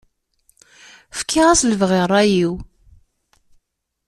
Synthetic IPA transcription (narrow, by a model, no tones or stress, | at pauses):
fə̥kʰːɪʁæsləvʁɪrˤːæjiw